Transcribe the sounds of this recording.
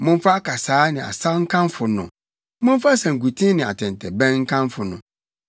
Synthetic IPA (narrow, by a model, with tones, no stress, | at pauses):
mʊ̃˦m˦fa˦kʰa˨saː˨˦nɪ̃˨a̰˨sa˦ŋ̩˦kʰã˦mfʊ˨nʊ̃˨ | mʊ̃˦n˦fa˦sã˨ŋ̩˨ɡu˨tʰĩ˦nɪ̃˨a̰˨tʰɛ̃˨ntʰɛ˨bɛ̃˦nŋ̩˦kʰã˦mfʊ˨nʊ̰̃˨